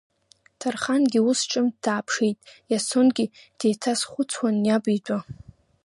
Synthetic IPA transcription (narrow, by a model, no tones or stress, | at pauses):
tʰarχanɡʲiʊsʈ͡ʂʼɨmdaːpʰʂijtʼjasonɡʲid̥e̞jtʰasχʷʊt͡sʰwanjabʼid͡ʒʷʼa